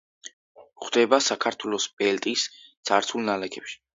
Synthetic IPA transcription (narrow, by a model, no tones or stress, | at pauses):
χd̪̥ɛbasakʰaɾt̪ʰwɛlˠɔspʼɛlt̪ʼist̪sʰʼaɾt̪sʰulˠnalɛɡʰɛpʃi̥